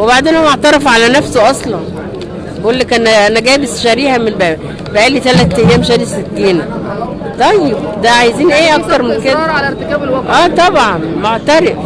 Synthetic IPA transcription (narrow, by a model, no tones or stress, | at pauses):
webaʕd̪eːnhomɑʕt̪ɑɾˤɑfʕalænæfsoʔɑsˤlɑn | ʔulːækænæænæɡæːbesʃæɾiːhæmelbæːbæ | bæʔæːlːit̪ælæt̪ːæjjæːmeʃæɾiset̪ːiːnæ | t̪ˤɑjːeb̚d̪æʕajziːnʔeːʔɑkkt̪ɑɾˤmenked̪æ | ʔæːt̪ˤɑbʕɑnmoʕt̪æɾef